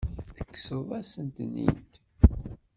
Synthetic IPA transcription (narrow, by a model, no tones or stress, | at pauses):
θə̥kːsəðˤæsənt̪nḭt̪